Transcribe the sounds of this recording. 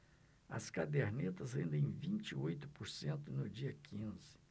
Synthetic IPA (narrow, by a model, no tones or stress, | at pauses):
ɐ̰skad̪eɾnet̪ɐzhẽnd̪ẽj̃vĩnt͡ʃiojt̪ʊpoɾsẽnt̪ʊnʊd͡ʒiɐkʰĩnzɪ̥